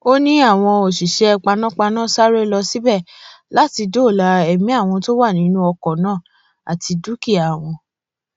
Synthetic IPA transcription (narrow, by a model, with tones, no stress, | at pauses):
o˦nĩ˦a˦˨w̃ɔ̃˧o˨ʃi˨ʃɛ˦ɛ˧k͡pa˧nã˦k͡pa˧nãː˦˨sa˦ɾe˦lɔ˧si˨˦bɛ˦˨la˦ti˧do˦˨la˧ɛ˨mĩ˦a˦˨w̃ɔ̃˧to˦wa˦˨nĩ˦nũ˦ɔ˧kɔ˨nãː˦˨ | a̰˨ti˧du˨˦ki˦˨a˨w̃ɔ̃˧